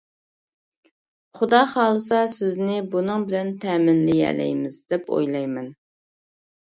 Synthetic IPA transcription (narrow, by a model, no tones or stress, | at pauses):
χʊd̪ɑχɑːlˠɨsɑsɪznɪbunɨŋbɪlɛnt̪ʰɛːmɪnlɪjɛ̰lɛ̰jmɪzd̪ɛpʰo̰jlˠɑjmɛn